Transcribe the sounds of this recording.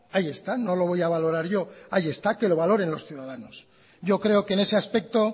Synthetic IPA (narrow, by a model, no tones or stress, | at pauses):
aje̞st̪ano̞lo̞β̞o̞jaβ̞alo̞ɾaɾʝo̞aje̞st̪ake̞lo̞βalo̞ɾe̞nlo̞sθjuðaðano̞s | ɟ͡ʝo̞kɾe̞o̞kene̞se̞aspe̞k̚t̪o̞